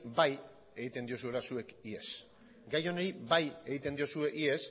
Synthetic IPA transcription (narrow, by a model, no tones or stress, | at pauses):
baj | e̞ɣit̪e̞nd̪io̞s̬ue̞lasue̞kie̞s | ɡajo̞neɾibaje̞ɣit̪e̞nd̪io̞sue̞ʔie̞s